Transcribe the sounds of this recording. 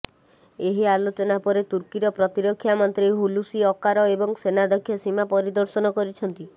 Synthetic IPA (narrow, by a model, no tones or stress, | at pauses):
eɦialot͡ʃɔnapɔɾet̪uɾkiɾɔpɾɔt̪iɾokʰːjamɔnt̪ɾejɦulusiɔkaɾɔebɔŋsenad̪ɔkʰːjɔsimapɔɾid̪ɔɾsɔnɔkɔɾit͡ʃʰɔnt̪i